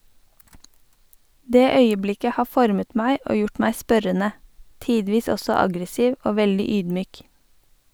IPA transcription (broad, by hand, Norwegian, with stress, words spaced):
ˈdeː ˈœʏəˌblɪkə ˈhɑː ˈfɔɾmət ˈmæɪ ˈoː ˈjʊʈ ˈmæɪ ˈspœɾənə ˈtiːdʋiːs ˈɔsɔ ˈɑɡɾəˌsiːʋ ˈoː ˈʋɛldɪ ˈyːdˌmyːk